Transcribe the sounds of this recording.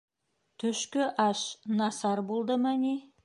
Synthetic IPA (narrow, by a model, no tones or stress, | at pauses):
t̪ʰɵʃkɪʔɑʃnɑsɑɾbolˠd̪əmæni